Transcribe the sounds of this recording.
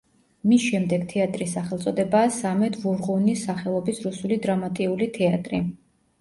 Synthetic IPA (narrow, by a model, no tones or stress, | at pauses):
misʃɛmd̪ɛɡt̪ʰɛat̪ʼɾisːaχɛlˠt̪sʼɔd̪ɛbaːsamɛt̪ʰvuɾʁunisaχɛlˠɔbisɾusulid̪ɾamat̪ʼiulit̪ʰɛat̪ʼɾi